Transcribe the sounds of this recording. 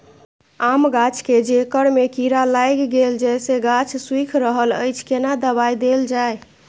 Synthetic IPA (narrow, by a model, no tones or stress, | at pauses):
amɡat͡ʃʰked͡ʒekəɾmekiɾalajɡɡeld͡ʒɛseɡat͡ʃʰswikʰɾəɦələ̰jt͡ʃʰkenad̪əbajd̪eld͡ʒaj